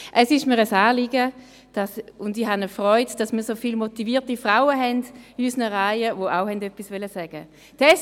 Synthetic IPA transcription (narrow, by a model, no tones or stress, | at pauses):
ʔɛsɪʃmiːʁəsaːliɡə | d̥asʊndihanəfʁɔʏdd̥asmiːɐsofiːlmotiviːtifʁaʊəɦɛnd̥yːsənəʁaɪəvoʔaʊhɛndœpisvɛləsɛːɡ̥ə | tɛs